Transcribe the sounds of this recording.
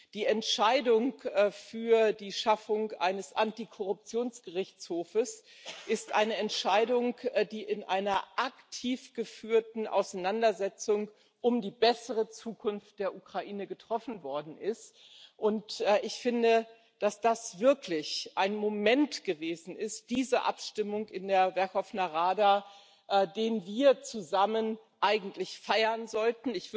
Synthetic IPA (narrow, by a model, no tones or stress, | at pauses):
d̥iːɛntʃaɪdʊŋːfyːɐdiːʃafʊŋʔa̰ɪnəsʔantikʰɔʁʊp̚t͡sjoːnsɡ̥əʁɪçt͡shoːfəs | ʔɪstʔaɪnəɛntʃaɪdʊŋdiːʔɪnʔaɪnɐʔaktʰiːfɡ̥əfyːɐtn̩ʔa̰ʊsaɪnandɐzɛt͡sʊŋ | ʔʊmdiːbɛsəʁət͡suːkʰʊnft̚d̥eːɐʔukʁ̥aʔiːnəɡətʁ̥ɔfn̩vɔɐdn̩ʔɪst | ʔʊntʔːʔɪçfɪndə | d̥asd̥asv̥ɪɐklɪçʔaɪnmomɛntɡ̥əveːzn̩ɪst̚d̥iːzəʔa̰pʃtɪmʊŋkɪndeːɐvɛɐkhɔfnaʁaːda | ʔɛːdeːnviːɐt͡suzamən | ʔaɪɡŋ̩tlɪçfaɪɐnzɔltn̩ɪç̥